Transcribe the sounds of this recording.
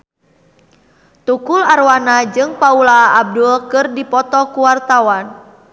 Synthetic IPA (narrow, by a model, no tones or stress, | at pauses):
t̪ukularwanad͡ʒɨŋpaulaːb̚dulkɨrdipɔt̪ɔkuwart̪awan